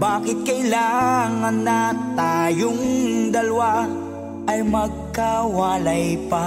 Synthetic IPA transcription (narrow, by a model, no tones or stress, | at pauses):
baːkɪt̪̚kɐjlaŋɐnːɐt̪ajoŋd̪ɐlwa | ɐjmɐɡ̚kɐwalajpɐ